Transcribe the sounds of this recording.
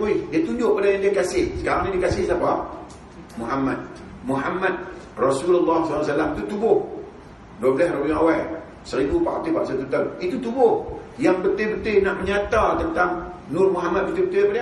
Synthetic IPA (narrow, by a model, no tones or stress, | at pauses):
uidiat̪uɲd͡ʒʊʔpadajaŋdiakasɪhsə̥kaɾaŋnidikasɪhsapa | muɦamːa̰d̪̚ | muɦamːad̪̚ | rɔsulalːahslːwas̬alamit̪ut̪ubʊh | dabəlɛhrauŋawa | səɾidupakat̪ipa̰ʔsat̪ut̪əlit̪ut̪ubʊhjaŋpət̪ɪhbət̪ɪhnaʔməɲat̪at̪ənt̪aŋnʊrmuɦamat̪̚bət̪ɪbət̪ɪjapadaa